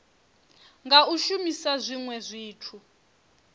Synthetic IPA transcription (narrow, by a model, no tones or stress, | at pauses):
ŋɡauʃumisazʷiŋwɛzʷiːtʰu